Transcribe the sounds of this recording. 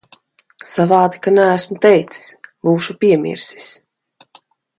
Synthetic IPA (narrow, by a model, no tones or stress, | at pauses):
savɑːd̪ikanæːsmut̪ɛjt̪si̥sbuːʃupʲiɛmʲḭɾsi̥s